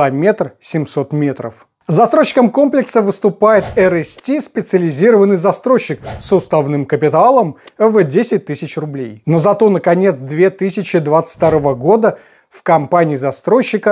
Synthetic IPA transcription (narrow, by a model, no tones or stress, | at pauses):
amʲe̞t̪rsʲɪmʲso̞t̪mʲe̞t̪ɾə̰f | zɐst̪ɾoɕːɪ̥kəmko̞mplʲɪksəvɨst̪ʊpajɪt̪ɛɾɛsʲtʲispʲɪt̪sɨəlʲɪzʲiɾəvənːɨjzɐst̪ɾo̞ɕːɪk̚sʊst̪avnɨmkəpʲɪt̪alˠəmvdʲesʲɪt̚ʲt̪ːɨsʲɪt͡ɕrʊblʲḛjno̞zɐt̪o̞nəkɐnʲe̞t̪sd̪vʲe̞t̪ɨsʲɪt͡ɕɪd̪vat̪sɨ̥fʲt̪ɐɾo̞vəɡo̞d̪ə | fkɐmpanʲɪiːzɐst̪ɾo̞jɕːɪkə